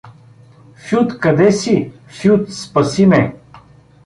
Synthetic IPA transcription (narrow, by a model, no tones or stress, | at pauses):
fjut̪kɐd̪ɛsi | fjut̪spɐsimɛ